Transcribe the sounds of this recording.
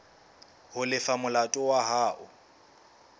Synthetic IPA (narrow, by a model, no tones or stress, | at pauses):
hʊlɪfamʊlatʼɔwaɦaːʔʊ